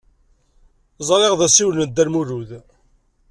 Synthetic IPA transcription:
zˤɾˤeʁðæsiwlnəd̪ːæɾmuɾuð

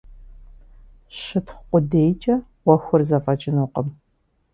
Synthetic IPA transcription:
ɕɪtʰχqʷʼʊdejt͡ʃʼɐ | wɐxʷʊrzɐfʼɐt͡ʃʼɪnuːqəm

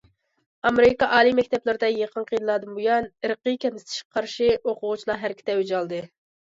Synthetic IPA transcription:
ɑmeɾɪkɑʔɑːlˠimɛkʲt̪ʰɛplˠɪɾd̪ɛjeqʰənqʰəjinlˠɑːd̪ɨmbujɑnɨɾqɨkʲɛnɪst̪ʰɪ̥ʃkʲɛqʰɑɾʃioqʰʊʁut͡ʃʰilˠɑɦæɾkʲʰi̥t̪ɛwyd͡ʒɑlˠd̪ɨ

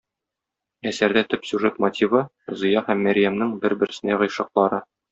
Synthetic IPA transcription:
æsæɾd̪æt̪ɵpsʲʉʐet̪mot̪ʲʰivɤ | zɤ̆jɑhæmːæɾjæmnɘŋbɘɾbɘ̆ɾɘ̆sɘ̆nd̪æʁɤ̆jʃɑ̆q̚lˠɑɾɤ

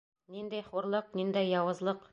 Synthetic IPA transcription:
nind̪æjχuɾlˠɤqnind̪æjːɑwɤ̆zlˠɤq

